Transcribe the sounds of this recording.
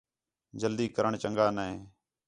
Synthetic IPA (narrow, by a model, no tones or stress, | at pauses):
d͡ʒəld̪iːkəɾəɳt͡ʃəŋɡaːnɛeː